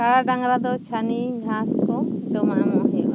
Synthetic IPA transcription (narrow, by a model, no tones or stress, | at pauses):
aɽaɖaŋɾad̪ɔt͡ʃʰaniɡʱãskɔt͡ʃɔmamɔ̃ɦɛʔa